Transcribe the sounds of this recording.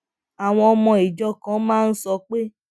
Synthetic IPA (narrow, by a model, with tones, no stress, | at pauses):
a˨w̃ɔ̃˧ɔ˧mɔ̃˧i˨d͡ʒɔ˦kã˨˦mãː˦˧n̩˦sɔ˧k͡pe˦